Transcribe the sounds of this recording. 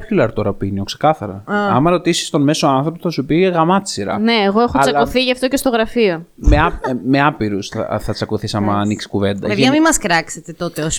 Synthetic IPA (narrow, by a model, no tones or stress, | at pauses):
pçulɐɾt̪oɾɐpinio̞kse̞̥kɐθɐɾɐɐmɐɾo̞t̪isi̥st̪o̞nme̞soɐnθɾo̞poθɐsupiɣɐmɐt̪t͡ssiɾɐ̰ne̞ːɣoe̞xot͡sɐoθiʝɐft̪o̞ce̞st̪o̞ɣɾɐfio̞meɐme̞ɐpiɾusɐ̰θɐt͡sɐkoθisɐmɐːniksi̥kuve̞nd̪ɐ̰eðʝɐmimɐskɾɐkset̪et̪o̞t̪e̞os